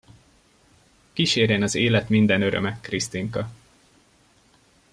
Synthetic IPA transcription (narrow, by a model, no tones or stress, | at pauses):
kiʃeːɾeːnɒzeːlɛt̪mind̪ɛnø̞ɾø̰mɛkrist̪iŋkɒ